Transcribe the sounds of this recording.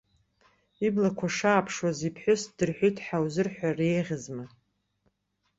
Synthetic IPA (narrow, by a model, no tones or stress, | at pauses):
iblakʷʰaʂaːpʰʂwazipʰħʷʊsd̥ɨrħʷijtʰħawzɨrħʷarejʁʲɪzma